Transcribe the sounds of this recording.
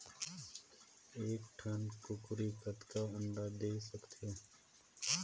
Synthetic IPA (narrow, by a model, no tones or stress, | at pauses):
eːk̚ʈʰənkʊkʊɾikət̪kaʊ̃nd̪aːd̪eːsəkt̪ʰe